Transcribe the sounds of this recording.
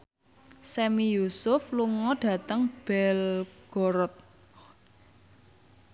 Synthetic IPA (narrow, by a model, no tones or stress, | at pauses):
sɛmijusʊfluŋɔɖ̥ä̤t̪əŋb̥ɛlɡ̥ɔɾɔt̪̚